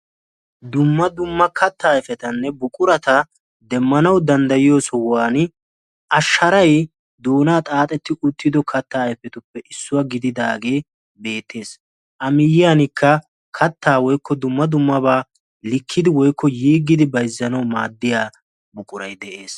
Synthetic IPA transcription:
d̪ʊmːɐd̪ʊmːɐkʰɐt̪ːaːjfɛt̪ɐnːɛbʊkʼʊɾɐt̪ɐ | d̪ɛmːɐnɐwd̪ɐnd̪ɐjɪjoːsɔwaːn | ʔɐʃːɐɾɐj | d̪oːnaːt̪ʼaːt̪ʼɛt̪ːɪʔʊt̪ːɪd̪ɔkʰɐt̪ːaːjfɛt̪ʊpːɛʔɪsːʊwɐɡɪd̪ɪd̪aːɡeː | be̞ːt̪ːe̞ːs | ʔɐmɪjɪjaːnɪkʰːɐ | kʰɐt̪ːaːwɔjkːɔd̪ʊmːɐd̪ʊmːɐbaː | lɪkʰːɪd̪ɪwɔjkʰːɔjiːɡːɪd̪ɪbɐjzːɐnɐwmaːd̪ːɪjaː | bʊkʼʊɾɐjd̪ɛʔe̞ːs

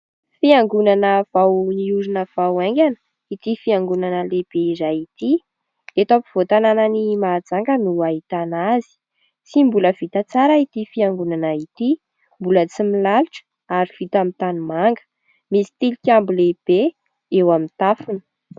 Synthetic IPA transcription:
fiaŋɡunanəv̥awniuɾinəv̥awaŋɡʲanə̥ | it̪ifiaŋɡunanəleb̥eizajit̪i | et̪apiv̥ot̪ananənimaːd͡zaŋɡənuaɦit̪anazi̥ | t͡simbuləv̥it̪at͡saɾəit̪ifiaŋɡunanait̪i | mbulət͡similaluʈ͡ʂə̥ | aɾiv̥it̪amint̪anumaŋɡə̥ | misi̥t̪ilikʲambuleb̥e | ewamint̪afunə̥

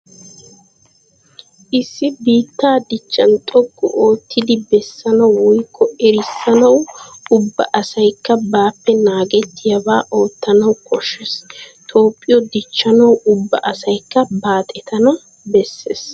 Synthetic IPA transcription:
ʔɪsːɪbiːt̪ːaːd̪ɪt͡ʃːɐnt̪ʼɔɡːɔ̰ʔo̞ːt̪ʰːɪd̪ɪbɛsːɐnɐwwʊjkːɔɛɾɪsːɐnɐwʊbːɐʔɐsɐjkːɐbaːpːɛnaːɡɛt̪ːɪjɐbaːʔo̞ːt̪ːɐnɐwkɔʃːɛst̪ʰo̞ːpʼːɪjɔd̪ɪt͡ʃːɐnɐwʊbːɐ̰ʔɐsɐjkːɐbaːt̪ʼɛt̪ɐnɐ | bɛsːḛːs

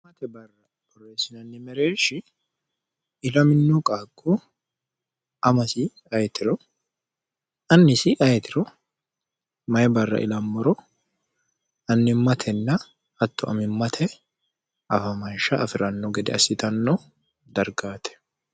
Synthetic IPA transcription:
mɐt̪ɛbɐrːɐ | bɔɾeːsɪnɐnːɪmɛɾeːʃɪ | ɪlɐmɪnːɔkʼaːkʼːu | ɐmɐsɪ | ɐjt̪ɪɾɔ | ɐnːɪsɪʔɐjɛt̪ɪɾɔ | mɐjɛbɐrːɐ̰ʔɪ̰lɐmːɔɾɔ | ɐnːɪmːɐt̪ʰɛnːɐ | ɐt̪ːɔʔɐ̰mɪmːɐt̪ʰɛ | ʔɐfɐmɐnʃɐʔɐfɪɾɐnːɔɡɛd̪ɛɐsɪt̪ɐnːɔ | d̪ɐɾɡaːt̪ʰɛ̥

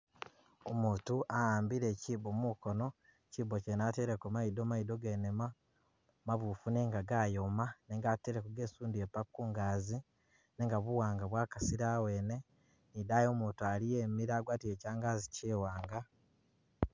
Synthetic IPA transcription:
omuːtuʔahaːmbiɾe̞cibomukono̞ | cibocenaːteɾekomaidomaidoɡenema | maβufuneːŋɡaɡaːjomaneːŋɡateɾekoɡe̞suːndiepakːuːŋɡaːzi | neːŋɡaβuwaːŋɡaβwaːkasiɾawe̞ːne̞ | nidajo̞ːmuːtualijeːmiɾaɡwaːtiecaːŋɡaːziciːwaːŋɡa

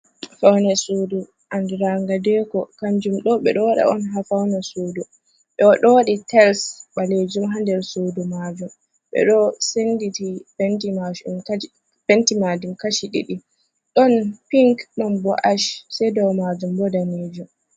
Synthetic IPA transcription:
fawnɛsudu | ʔandɛɾaŋɡadɛkɔkand͡ʒumɗɔɓɛ̰ɗɔwaɗa̰ɔnɦafawnɛsuːdu | ɓɛwaɗɔɗitʰɛlsɓaled͡ʒumɦandɛɾsoːdumad͡ʒum | ɓɛ̰ɗɔsenditipɛntimaʃum | pɛntimadumkaʃiɗḭɗi | ɗɔnpiŋkɗɔnbɔʔaʃsɛjdɔwmad͡ʒumbɔdaned͡ʒum

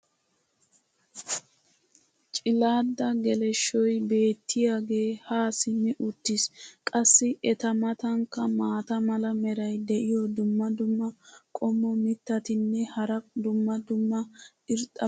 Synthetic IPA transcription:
t͡ʃʼɪlaːd̪ːɐɡɛlɛʃːɔjbe̞ːt̪ːɪjaːɡe̞ːhaːsɪnːɪʔʊt̪ːɪskʼɐsːɪɛt̪ɐmɐt̪ɐŋkːɐmaːt̪ɐmɐlɐmɛɾɐjd̪ɛʔɪjɔd̪ʊmːɐd̪ʊmːɐkʼɔmːɔmɪt̪ːɐt̪ɪnːɛhɐɾɐd̪ʊmːɐd̪ʊmːɐ | ɪɾt̪ʼːɐ

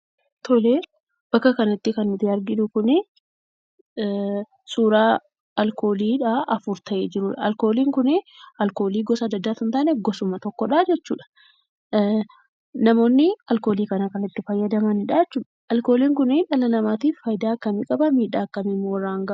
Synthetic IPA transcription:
t̪ʰɔle | b̥ɐkːɐkɐnɐt̪ːɪkɐnːʊt̪ɪɐɾɡɪd̪ʊkʊnɪ | suːɾaː | ɐlko̞ːliːᶑaːʔɐfʊɾt̪ɐʔeːd͡ʒɪɾʊːᶑɐɐlko̞ːliːŋkʊnɪɐlko̞ːliːɡɔsɐɐd̪ːɐd̪ːaːt̪ʊnt̪aːnɛɡɔsʊmɐt̪ɔkːɔᶑaːd͡ʒɛt͡ʃːṵːᶑɐ̥ | nɐmo̞ːnːɪɐlkoːliːkɐnɐkɐnɪt̪ːɪfɐjːɐd̪ɐmɐnɪᶑaːɛt͡ʃːuːᶑɐ̥ɐlkoːliːŋkʊnɪᶑɐlɐnɐmaːt̪iːffɐjd̪aːkːɐmɪkʼɐbɐmiːᶑaːkːɐmɪmːowɾːaːŋɡɐ

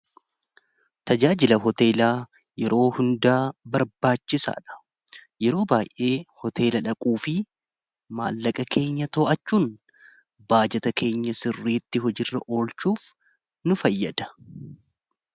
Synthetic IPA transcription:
t̪ɐd͡ʒaːd͡ʒɪlɐɦɔt̪e̞ːlaː | jɛɾo̞ːhʊnd̪aːbɐɾbaːt͡ʃːɪsa̰ːᶑɐ̥ | jɛɾo̞ːbaːjʔe̞ːhɔt̪ʰe̞ːlɐᶑɐkʼuːfɪ | ma̰ːlːɐkʼɐke̞ːɲːɐt̪oːʔɐt͡ʃːuːn | baːd͡ʒɛt̪ɐke̞ːɲːɐsɪrːiːt̪ːɪɦɔd͡ʒɪrːɐʔo̞ːlt͡ʃuːf | nʊfɐjːɐd̪ɐ̥

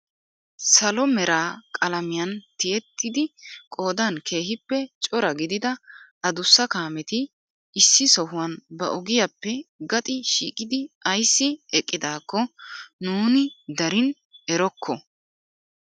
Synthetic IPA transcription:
sɐlɔmɛɾaːkʼɐlɐmɪjɐnt̪ɪjɛt̪ːɪd̪ɪkʼo̞ːd̪ɐnkʰe̞ːɦɪpːɛt͡ʃʼɔɾɐɡɪd̪ɪd̪ɐɐd̪ʊsːɐkaːmɛt̪ɪ | ʔːsːɪsɔhʊwɐnbɐʔɔɡɪjɐpːɛɡɐt̪ʼɪʃḭːkʼɪd̪ɪɐjsːɪɛkʼːɪd̪aːkːɔnuːnɪd̪ɐɾɪn | ɛɾɔkʰːɔ

